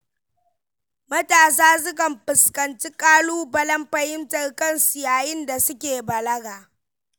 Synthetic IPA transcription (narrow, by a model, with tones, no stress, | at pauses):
mɐ˦taː˨s̬aː˦s̬ʊ˦kɐ˨mpɪ˨skɐ˨nt͡ʃi˦kʼaː˦luː˦bɐ˦lɐ˦mɸɐ˦hɪ˦ntɐ˨rkɐ˦˨nsu˨jaː˨jɪ˦nda˨sʊ˦kʲeː˨bɐ˨lɐ˦ɡaː˨